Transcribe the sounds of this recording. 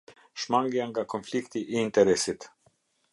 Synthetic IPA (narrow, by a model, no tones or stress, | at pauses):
ʃmaŋɡiaŋɡakʰɔnflikt̪iʔiːnt̪ɛɾɛsɪt̪